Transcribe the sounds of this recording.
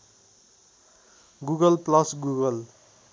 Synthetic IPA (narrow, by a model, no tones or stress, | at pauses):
ɡuɡʌlplʌsɡuɡʌl